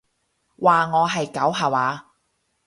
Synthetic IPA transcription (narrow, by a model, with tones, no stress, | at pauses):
waː˨ŋɔː˨˧ɦɐ˨jkɐ˨˥wɦaː˨˩waː˨˧